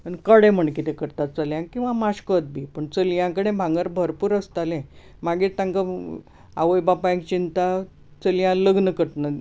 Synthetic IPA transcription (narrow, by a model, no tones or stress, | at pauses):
pəɳkəɽẽm̤əɳkit̪ẽkəɾt̪at̪̚t͡saljãkĩw̃ʋamaɕkət̪̚bʱipəɳt͡səljãkəɽẽbʱãŋɡəɾbʱəɾpuːɾəst̪alẽ | maɡiɾt̪ãŋkə | a̰ʋəjbapaẽk̚t͡ɕint̪a | t͡səljãləɡnəkəʈnə